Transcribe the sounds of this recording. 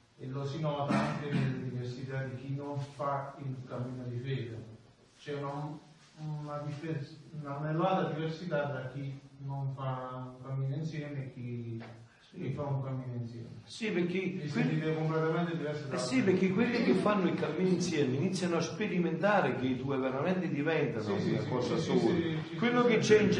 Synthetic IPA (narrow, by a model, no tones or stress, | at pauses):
elːosinɔːt̪aaŋkenelːed̪iversit̪ad̪ik̟inːoɱfailkamːiːnod̪ifɛːd̪a | t͡ʃɛna | nad̪ifenanɛlːat̪ɾad̪iversit̪at̪ɾak̟ːinːonfauŋkamːiːnoinsjɛːmeekːi | kifauŋkamːiːnoinsjɛ̰ːmesipeɾkːekːweivkomplɛt̪amɛnt̪ed̪ivɛrsassːipeɾk̟ːɪkːwelːik̟ɪfːanːʊikamːiːninsjɛːmeinit̪sːjanoaspeɾiment̪aːɾɪk̟ed̪uːeveɾamɛnt̪ɪd̪ivɛnt̪anounakɔːsasɔːl | kwellːʊkɪt͡ʃːɛind͡ʒ